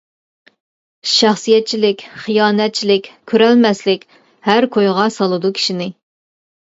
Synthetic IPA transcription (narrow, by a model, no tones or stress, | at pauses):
ʃæχsɨjɛt̪̚t͡ʃʰilɪkʲχijɑːnɛt̪̚t͡ʃʰilɪkʲkʲʰːøɾɛlmɛslɪkʲ | hæɾkʰojʁɑsɑlˠɨd̪ukʲʰi̥ʃinɪ